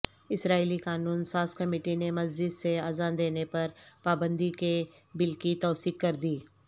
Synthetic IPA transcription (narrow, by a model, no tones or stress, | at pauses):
ɪsɾaːilikaːnuːnsaːskɐmiːʈinemɐzd͡ʒɪd̪seaːzaːnd̪eːnepɐɾpaːbə̃nd̪ike | bɪlkit̪ɔːsiːkkɐɾd̪iː